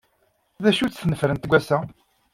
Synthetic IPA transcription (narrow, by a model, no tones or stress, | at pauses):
ðæʃut͡sθnəfɾənt̪ɡʷːæsæ